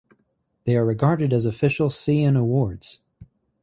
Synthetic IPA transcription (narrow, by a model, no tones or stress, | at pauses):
ðeɪə˞ɹɨɡɑɹɾɨɾɨzɨfɪʃl̩ˠsiɨ̃nəwɔɹdz̥